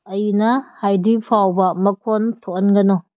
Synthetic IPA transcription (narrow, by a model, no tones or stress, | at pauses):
ɐjnɐhajdipʰawbɐmɐkʰontʰonɡɐno